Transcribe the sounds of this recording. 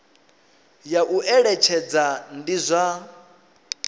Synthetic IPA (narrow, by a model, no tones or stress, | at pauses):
jaʔuʔɛɺɛt͡ʃʰɛd͡zandizʷa